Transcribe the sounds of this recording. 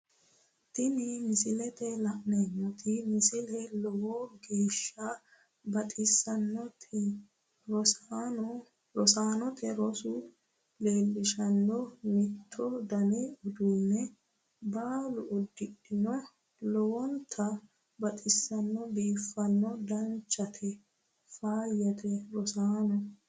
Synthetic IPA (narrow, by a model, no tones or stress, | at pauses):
t̪ɪnɪmɪsɪlɛt̪ɛlɐʔnɛnːɔt̪ɪmɪsɪlɛlɔwɔɡe̞ːʃːɐ | bɐt̪ʼɪsːɐnːɔt̪ʰɪ | ɾɔsaːnɔt̪ʰɛɾɔsʊ | le̞ːlːɪʃɐnːɔmɪt̪ʰːɔd̪ɐneɔd̪unːɛ | baːlʊʔʊd̪ːɪɗɪnɔ | lɔwɔnt̪ʰːɐ | bɐt̪ʼɪsːɐnːɔbiːfːɐnːɔd̪ɐnt͡ʃːɐt̪ʰɛ | faːjːɐt̪ʰɛɾɔsaːnɔ